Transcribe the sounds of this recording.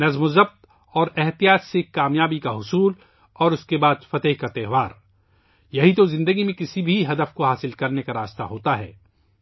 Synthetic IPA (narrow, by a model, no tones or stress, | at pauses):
nɐzmozɐb̚t̪ | ɔːɾɛɦt̪ijaːt̪sekːaːmjaːbikaɦʊsuːl | ɔːɾʊskebaːd̪fɐt̪əɦkat̪ɛːɦʋaːɾ | jɐɦit̪̬ozɪ̃nd̪əɡimẽkɪsibʱiɦɐd̪əfkoɦaːsɪlkɐɾnekaɾaːst̪a̰ɦoːt̪aɦɛ̰ː